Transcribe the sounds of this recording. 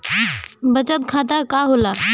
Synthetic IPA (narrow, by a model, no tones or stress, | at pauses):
bət͡ʃət̪kʰaːd̪akaːɦoːlaː